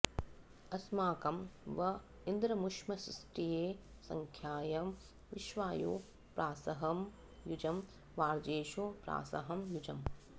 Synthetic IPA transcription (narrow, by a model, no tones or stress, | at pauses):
ɐsmaːkɐmʋɐ | ind̪ɾɐmuʂmɐsɾḭsʈijeːsɐ̰ŋkʰjaːjɐ | ʋiʃʋaːjṵː | pɾaːsɐɦɐm | jud͡ʒɐm | ʋaːɾd͡ʒeːʃupɾa̰ːsɐ̰ɦɐmjud͡ʒɐm